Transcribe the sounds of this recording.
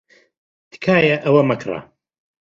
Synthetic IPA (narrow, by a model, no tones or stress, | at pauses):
t̪kʰaːjaʔɐwɐmɐkʰrˤɑ̰